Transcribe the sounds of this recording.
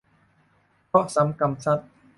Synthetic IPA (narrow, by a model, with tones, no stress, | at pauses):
kɔ˥ʔsa˩˨˦mka˧msa˦˥˩t̪̚